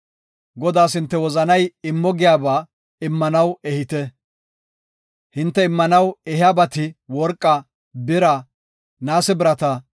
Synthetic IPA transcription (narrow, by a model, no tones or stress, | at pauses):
ɡɔd̪aːs̬hɪnt̪ːɛwɔzɐnɐjɪmːɔɡɪjaːbaː | ɪmːɐnɐwɛhɪt̪ɛ | hɪnt̪ːɛɪmːɐnɐwɛhɪjaːbɐt̪ɪwɔɾkʼːɐ | bɪɾɐ | naːsɛbɪɾɐt̪ɐ